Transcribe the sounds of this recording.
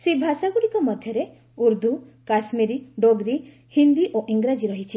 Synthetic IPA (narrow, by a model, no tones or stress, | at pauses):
sebʱasaɡuɽikɔmɔd̪ʱjɔɾe | uɾd̪ʱu | kasmiɾiɖoɡɾi | hind̪iʔoʔiŋɡɾad͡ʒiɾɔɦit͡ʃʰi